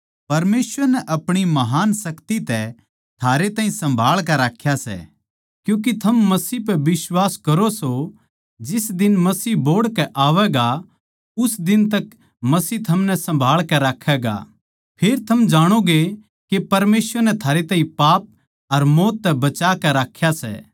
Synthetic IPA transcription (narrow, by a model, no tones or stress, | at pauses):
pɐɾmeːsʋəɾnɛʔɐpɽ̃imɐɦaːnsɐkt̪it̪ɛ | t̪ʰaːɾet̪aːɦĩsɐ̃mbʱaːɭkɛɾaːkʰjasɛ̰ | kjũːk̬it̪ʰɐmːɐsiːp̬ɛbɪswaːskɐɾoso | d͡ʒɪsd̪ɪnmɐsiːboːɽkɛʔaːʋɛɡa | ʊsd̪ɪnt̪ɐk | mɐsiːt̪ʰɐmnɛsɐ̃mbʱaːɭkɛɾaːkʰɛːɡa̰ | pʰeːɾt̪ʰɐmd͡ʒaːɽ̃oɡe | kepɐɾmeːsʋəɾnɛt̪ʰaːɾet̪ãːĩpaːp̚ | ɐɾmoːt̪ːɛbɐt͡ʃaːkɛɾaːkʰjasɛ̰ː